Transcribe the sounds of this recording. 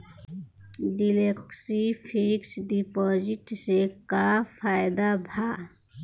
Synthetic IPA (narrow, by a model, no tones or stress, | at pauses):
ɖileksipʰiksɖipɔːzɪʈsekapʰaːjd̪abʱaː